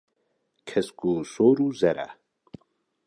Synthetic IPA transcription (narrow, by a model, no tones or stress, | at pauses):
kʰɛskusoːɾuzɛɾa̰